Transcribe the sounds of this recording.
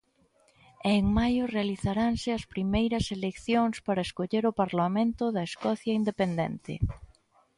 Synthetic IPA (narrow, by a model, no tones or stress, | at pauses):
ɛeŋmajʊrealiθaɾaŋsɪɐspɾimejɾɐselekθjoŋspaɾɐeskoʎeɾʊpaɾlamẽnt̪ʊðɐeskɔθjɐind̪epend̪ɛ̰nt̪ɪ̰